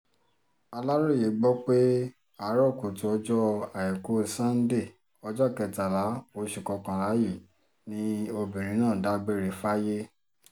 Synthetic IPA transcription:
a˧la˦ɾo˦˨je˨˦ɡ͡bɔ˦k͡pe˦ | a˨˦ɾɔ˦˨ko˨ti˧ɔ˧d͡ʒɔ˦a˨jɛ˨ku˨˦˨sã˦n̩˦de˦˨ | ɔ˧d͡ʒɔ˦˨kɛ˧ta˨la˨˦o˨˧ʃu˨kɔ˧kã˧ɾa˨˦ji˦˨ | nĩ˦o˧bĩ˨ɾ̃ĩ˨˦nãː˦˨da˦ɡ͡be˦˨ɾe˨fa˦je˦

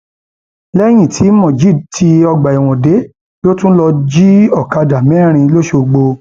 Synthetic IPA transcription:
lɛ˦j̃ĩ˦˨tʰi˨˦mɔ̃˦˨d͡ʒi˦˨tʰi˧˦ɔ˧ɡ͡ba˨i˨w̃ɔ̃˨de˨˦ | lo˦tũ˦lɔ˧d͡ʒi˦ɔ˦˨ka˧da˨mɛ̃˦˨ɾ̃ĩ˧lo˦ʃo˧˨ɡ͡bo˧

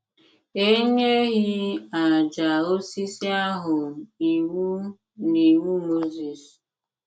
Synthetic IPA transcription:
e˦ɲe˦ɣi˦a˨d͡ʒa˨o˦si˦si˦a˦ɦʊ˨i˨ŋʷu˦ | ni˨ŋʷu˦mo˦zi˨s

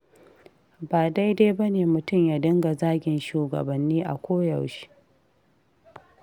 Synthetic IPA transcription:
baː˨da˦jdeː˦bɐ˦neː˨mʊ˨tʊ˦˨mjaː˨dɪ˦ŋɡa˨zaː˦ɡʲɪ˨nʃuː˨ɡɐ̰˨bɐ˨nːiː˦ʔa̰˨kʷoː˦ja˨wʃi̥˦

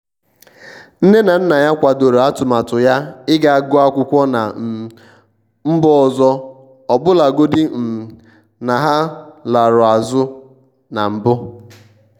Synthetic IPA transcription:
n̩˦ne˦na˨n̩˦na˨ja˦kʷa˨do˨ɾo˨a˦tʊ˨ma˨tʊ˨ja˦ɪ˦ɡa˨a˨ɡʊ˦a˦kʷʊ˦kʷɔ˦na˨ | m̩˦bɔ˦ɔ˨zɔ˦ | ɔ˨bʊ˦la˨ɡo˦dɪ˦m̩˨ | na˨ɦa˦la˨ɾʊ˨a˨zʊ˦ | na˨m̩˨bʊ˦

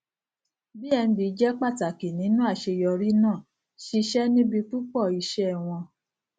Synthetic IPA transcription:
bi˦ɛ˧ñ̩˧bi˨˦d͡ʒɛ˦k͡pa˦˨ta˨ki˨nĩ˨˦nũ˦a˦˨ʃe˧jɔ˧ɾi˦nãː˦˨ | ʃi˧ʃɛ˦nĩ˦bi˧tu˦k͡pɔ˦˨i˧ʃɛ˦˨w̃ɔ̃˧

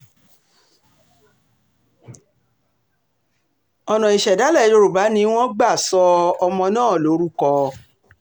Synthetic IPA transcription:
ɔ˨nɔ̃˨i˨ʃɛ˨da˨˦lɛ˦˨˦jo˧ɾo˨ba˨˦nĩ˦w̃ɔ̃˦ɡ͡ba˦˨sɔ˧ɔ˧mɔ̃˧nãː˦˨lo˨˦ɾu˦kɔ˧

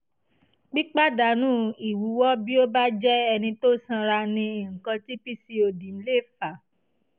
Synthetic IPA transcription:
k͡pi˦k͡pa˦da˨nũ˦i˨wu˨˦wɔ˦bi˦o˦ba˦d͡ʒɛ˦ɛ˧nĩ˧to˦sã˧ɾa˧nĩ˧i˨ŋ̩˨kã˧ti˦pi˦si˧o˧˨dĩ˨n̩˦le˦˨fa˨

